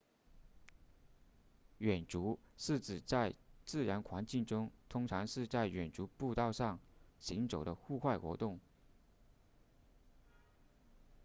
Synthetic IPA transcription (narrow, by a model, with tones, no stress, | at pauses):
ɥɛ˨˩nʈ͡ʂu˧˥ʂɻ̩˥˩ʈ͡ʂɻ̩˨˩t͡sa˥˧ɪt͡sɹ̩˥˩ɻa˧˥nkʰwa˧˥nt͡ɕi˥˩ŋʈ͡ʂʊ˥ŋt̪ʰʊ˥ŋʈ͡ʂʰɑ˧˥ŋʂɻ̩˥˧t͡sa˥˩ɪɥɛ˨˩nʈ͡ʂu˧˥pu˥˧t̪ɑ˥˧ʊʂɑ˥˩ŋɕi˧˥ŋʈ͡ʂo˨˩ʊd̪ə˦xu˥˧xwa˥˩ɪxwɔ̰˧˥t̪ʊ˥˩ŋ